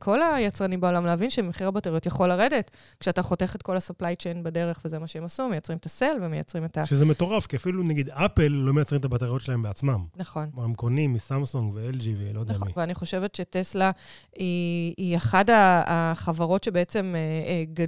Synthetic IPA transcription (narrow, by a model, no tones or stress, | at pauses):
kʰo̞lajat͡sʁanimbao̞lamleavinʃemeχiʁabateʁijo̞tjaχolaʁede̞t | kʃeataχo̞te̞χet̚ko̞lasaplajt͡ʃenbade̞ʁe̞χvezemaʃeemasumejat͡sʁimetase̞lvemeja̰t͡sʁime̞taʃezemeto̞ʁafkiafilunaɡid̪apelːo̞mejat͡sʁimet̪abateʁjo̞tʃelaembeat͡smamnaχo̞nmaʁemkonimːisamsuŋɡveeld͡ʒivilod̪ɛamiveaniχo̞ʃeve̞tʃe̞teslaiːaχadaːχavaʁo̞tʃebeet͡se̞meɡa